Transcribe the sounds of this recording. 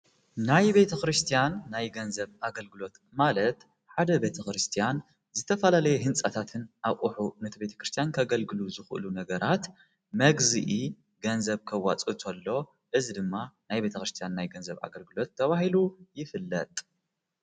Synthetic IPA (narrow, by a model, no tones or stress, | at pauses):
najbe̞t̪ʰɐkɾɨst̪ʰijanːajɡɐnzɐβʔaɡɐlɡɨlo̞t̪ | malɐt̪ | ħad̪ɐbe̞t̪ʰɐkɾɨst̪ʰijan | zɨt̪ʰɐfɐlalɐjɛɦɨnt͡sʼɐt̪ʰat̪ʰɨnʔaʔʼuħunɨt̪ʰibe̞t̪ʰɐ̥kɾɨst̪ʰijankʰɐɡɐlɡɨluzɨxʔɨ̰lunɐɡɐɾat̪ | mɐɡziʔi | ɡɐnzɐβkʰɐwːat͡sʼut̪ʰolːo̞ | ʔɨzid̪ɨmːanajbe̞t̪ʰɐkɾɨst̪ʰijanːajɡɐnzɐβa̰ɡɐlɡɨlo̞t̪ʰːɐβahilujɪfɨlːɐt̪ʼ